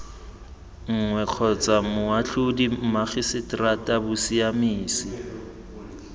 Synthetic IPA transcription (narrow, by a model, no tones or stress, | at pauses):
ŋ̩ŋwɛq͡χʰɔt͡sʼamʊaɬʊdimaχɪsɪtratʼabʊsiamiːsɪ